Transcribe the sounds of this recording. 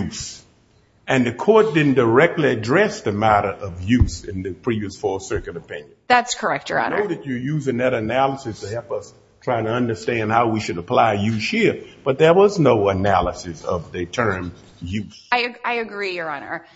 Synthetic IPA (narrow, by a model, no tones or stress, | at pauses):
jus | ɨ̃nðɨkʰɔɹt̚d̥ɪdⁿn̩də˞ɛk̚tˡliɨdɹɛsðɨmæɾə˞ʔʌvjʉsɨ̃nðɨpʰɹ̥iviɨsfɔɹsɜ˞kɨɾɨpʰɪ̃njɨ̃nðætskʰə˞ɛk̚t͡ʃə̰˞ɑ̰no̰ʊðɨt͡ʃə˞jʉzɪ̃ŋðɨɾɨnælˠəsɨstʰɨhɛlˠpʌs | tʰɹ̥aɪɪ̃ŋtʰɨʌ̃ndə˞stæ̃nd̚haʊwiʃɨɾəpʰl̥aɪjʉz̥hiɹb̥ʌt̪̚ðə˞wʌznoʊənælˠəsɨsʌ̰vðɨtʰɜ̃˞m | jʉsaɪɨaɪɨɡɹijə˞ɑnə̰˞